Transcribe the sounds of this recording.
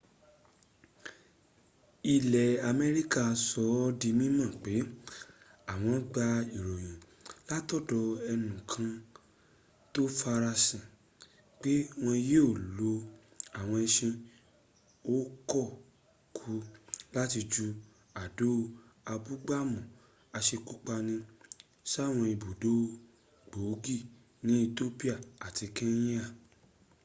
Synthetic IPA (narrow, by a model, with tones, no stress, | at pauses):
i˧lɛ˨a˨mɛ˧ɾi˦ka˦˨˧sɔ˧˦di˧mĩ˦mã˦˨k͡pe˨˦ | a˨w̃ɔ̃˧˦ɡ͡ba˧i˨ɾɔ˨j̃ĩ˨ | la˦tɔ˦˨dɔ˧ɛ˧nũ˨kʰã˧ | to˦fa˧ɾa˧sĩ˨ | k͡pe˦w̃ɔ̃˧je˦o˦˨lo˧ | a˨w̃ɔ̃˧ɛ˧ʃĩ˧ | o˦kɔ˦˨ | kʰu˧la˦ti˧d͡ʒu˧ | a˨do˦a˧bu˦ɡ͡ba˦˨mũ˨ | a˧ʃe˧ku˦k͡pa˧nĩ˧ | ʃa˦˨w̃ɔ̃˧i˧˨bo˨do˦ | ɡ͡bo˨˦ɡi˦˨ | nĩ˨˦i˧to˦pi˦a˦˨a˨ti˧kẽ˦ĩ˦a˦˨